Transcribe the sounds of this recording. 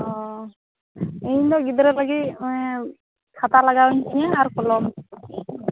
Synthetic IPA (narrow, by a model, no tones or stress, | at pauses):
ɔ | eɲd̪ɔɡid̪ɾɛlaɡi | kʰat̪alaɡawɲsʰijãaɾkɔlɔm